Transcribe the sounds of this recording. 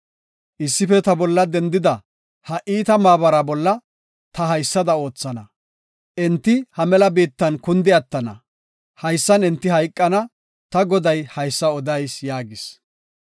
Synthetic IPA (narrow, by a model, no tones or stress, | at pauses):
ʔɪsːɪfɛt̪ɐbɔlːɐd̪ɛnd̪ɪd̪ɐ | hɐʔiːt̪ɐmaːβɐɾɐbɔlːɐ | t̪ɐɦɐjsːɐd̪ɐo̞ːt͡sːɐnɐ | ʔɛnt̪ːɪhɐmɛlɐbiːt̪ːɐnkʊnd̪ɪɐt̪ːɐnɐ̰ | hɐjsːɐnɛnt̪ːɪɦɐjkʼːɐnɐ | t̪ɐɡɔd̪ɐjhɐjsːɐɔd̪ɐjsjaːɡɪs